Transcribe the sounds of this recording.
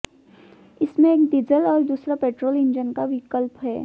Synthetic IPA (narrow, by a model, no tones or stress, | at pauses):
ɪsmẽeːkd̪ɪzəlɔːɾd̪uːsɾapeːʈɾoːlɪ̃ɲd͡ʒənkaʋɪkəlpɦɛː